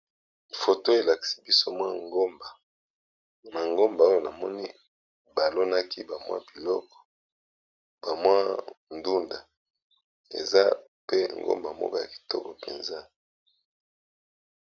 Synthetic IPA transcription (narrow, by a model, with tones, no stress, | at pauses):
fo˨to˦e˨la˨ki̥˨˦si˦bi˦so˦mwa˦ŋɡo˦mba˨ | ma˨ŋɡo˦mba˨o˦jo˨na˨mɔ˦ni˦ | ba˨lo˦na˦ki˦ba˨mwa̰˦bi˨lɔ˦kɔ̥˨ | ba˨mwa˦ndu˦nda˨ | ḛ˨za˦ | pe˦ŋɡo̰˦mba˨mɔ̰˦kɔ˦ja˨ki̥˨tɔ˦kɔ˨pḛ˨nza˦